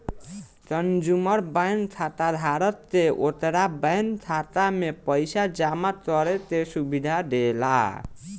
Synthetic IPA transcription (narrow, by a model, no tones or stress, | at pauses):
t͡ʃʌnd͡ʒumʌɾbajnt̪ʰat̪ad̪ʱaɾʌt̪ːeʔot̪eɾabajnt̪ʰat̪amepəjsad͡ʒamat̪ʌɾet̪esubid̪ʱaɖela̰